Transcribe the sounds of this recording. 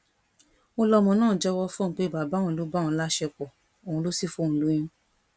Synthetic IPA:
o˦˧lɔ˧mɔ̃˨˧nãː˦˨d͡ʒɛ˦wɔ˧fɔ̃˦˨˧k͡pe˦i˨ba˨ba˨˦ũ˨˦lu˨˦ba˦˨ũ˧˦la˦ʃɛ˧k͡pɔ˨ | o˨ũ˧lo˦si˦˨fo˦˨ũ˨lu˦j̃ĩ˦

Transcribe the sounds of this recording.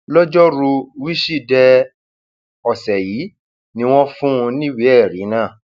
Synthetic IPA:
lɔ˦d͡ʒɔ˦ɾu˧wi˦ʃi˦˨dɛ˧ | ɔ˨sɛ˨jiː˨˦ | nĩ˧˦w̃ɔ̃˦fũ˦ũ˧nĩ˦wi˦ɛ˦˨ɾĩ˨˦nãː˦˨

